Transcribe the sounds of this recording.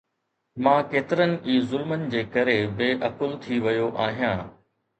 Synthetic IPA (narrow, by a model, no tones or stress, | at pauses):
mãːkeːt̪ɪɾənɪ̆ʔiːzʊlmənɪ̆d͡ʑeːkɐɾebeːʔɐkʊlt̪ʰiʋɐjoʔaːɦijãː